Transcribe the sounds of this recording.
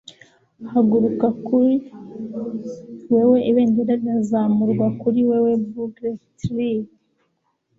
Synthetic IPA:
haɡuɾukakuɾi | wewe̞ʔiβeːndeɾaɡazamuɾɡwakuɾiwewe̞buɡɾetɾi

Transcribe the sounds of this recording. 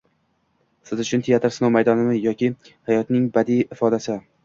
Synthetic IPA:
sɪzʊt͡ʃʰʊnt̪ʰejat̪ʰɪɾsɪnowmajd̪ɒnɪmɪjɒkʲɪhajɒt̪nɪŋbad̪iɪfɒd̪asɪ

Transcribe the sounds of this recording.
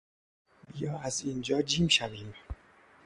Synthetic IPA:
bijɒːæziːnd͡ʒɒːd͡ʒiːmʃæviːm

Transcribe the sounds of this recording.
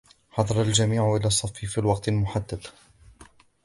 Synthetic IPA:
ħɑd̪ˤɑɾˤɑld͡ʒamiːʕʊʔɪlaːsˤːɑfːifiːlwɑq̚t̪lmʊħad̪ːad̪

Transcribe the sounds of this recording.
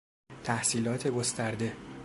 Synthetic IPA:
t̪ʰæhsiːlɒːt̪ʰe̞ɡost̪æɾd̪e̞

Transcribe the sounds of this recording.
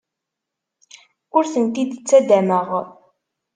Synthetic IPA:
ʊɾθənt̪id̪t͡sːæd̪æməʁ

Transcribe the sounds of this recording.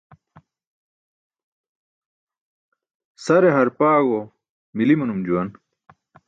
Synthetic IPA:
sɐɾeɦɐɾpaːɡo | milimunumd͡ʑuwɐn

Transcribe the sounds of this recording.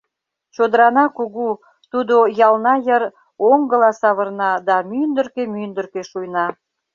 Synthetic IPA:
t͡ɕod̪əɾɑnɑkuɣu | t̪ud̪ojɑlnɑjər | oŋɡəlɑsɑβərnɑd̪ɑmynd̪ərkemynd̪ərkeʃujnɑ

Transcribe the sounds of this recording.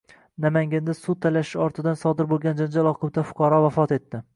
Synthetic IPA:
namaŋɡʲand̪asʊd̪̚t̪ʰːalaʃɪ̥ʃɒɾt̪ʰɪd̪ansɒd̪ɪɾbolˠɡʲand͡ʒand͡ʒalˠɒqʰobt̪afʊ̥qʰɑɾɒvafɒt̪e̞t̪ːɪ

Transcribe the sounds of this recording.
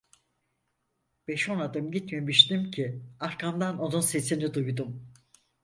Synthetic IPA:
b̥eʃonad̪ɯmɟit̪memiʃt̪imcʰiaɾkʰamd̪ano̞nunse̞sinid̪ujd̪um

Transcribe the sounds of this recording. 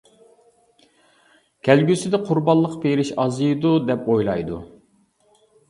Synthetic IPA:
kʲʰælɡʲysɪd̪ɛqʰʊɾbɑlˠːəqpeɾɪʃɑzɨjd̪ud̪ɛpojlˠɑjd̪u

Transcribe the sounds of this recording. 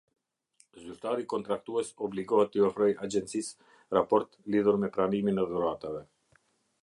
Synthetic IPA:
zyɾt̪aɾikɔnt̪ɾak̚t̪uɛsɔbliɡɔhɛt̪ːəɔfɾɔjad͡ʒɛnt̪sis | ɾapɔɾt̪liðuɾmɛpɾaniminɛðuɾat̪avɛ

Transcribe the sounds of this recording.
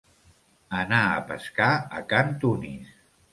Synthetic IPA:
ənaə̰pə̰skaəkant̪unḭs

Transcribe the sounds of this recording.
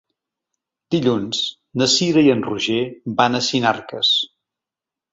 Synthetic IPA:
d̪̥iʎunz | nəsiɾəiənruʒebanəsinarkə̰s

